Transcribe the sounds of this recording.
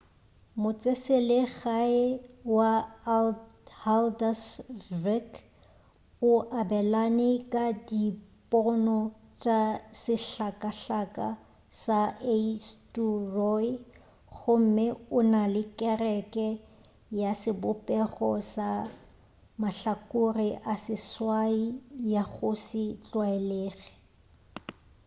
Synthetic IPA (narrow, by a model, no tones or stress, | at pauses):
mʊt͡sʼeselɪɣaɪwa | haldasvɛk | ʊʔabɛlanɪkʼadipʼɔnɔt͡ʃʼasɪɬakʼaɬakʼa | saesturɔ | ɣʊm̩mɪʊnalɪkʼɛrɛkʼɛ | jasɪbʊpʼɛɣɔsa | maɬakʼʊrɪʔasɪswaijaɣʊsɪt͡ɬʼwaɛleːɣɛ